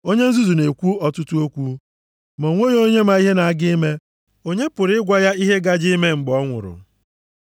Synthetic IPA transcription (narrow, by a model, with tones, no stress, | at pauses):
o˦ɲe˦n̩˦zu˦zu˨ne˨kʷu˦ɔ˨tʊ˦tʊ˦o˦kʷu˦ | mo˨ŋʷo˦jo˦ɲe˦ma˦i˦ɦe˦na˨a˦ɡɪ˦me˦ | o˦ɲe˦pʊ˨ɾɪ˦ɪ˦ɡʷa˦ja˦i˦ɦe˦ɡa˦d͡ʒi˦me˦ŋ͡m̩˨ɡ͡bɔ˦ŋʷʊ̰˨ɾʊ̰˨